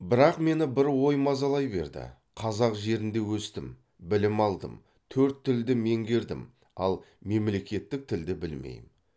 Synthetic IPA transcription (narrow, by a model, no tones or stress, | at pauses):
bɪɾɑqme̞nɪbɪɾwo̞jmɑzɑlˠɑjbe̞̰ɾd̪ɪ̰ | qʰɑzɑqʒe̞ɾɪnd̪e̞wɵst̪ɪm | bɪlɪmɑlˠd̪ə̰m | t̪ʰɵɾt̪ʰːɪld̪ɪme̞ŋɡʲe̞ɾd̪ɪ̰m | ɑ̰lˠ | me̞mle̞kʲe̞t̪ːɪk̚t̪ʰɪld̪ɪbɪlmḛjm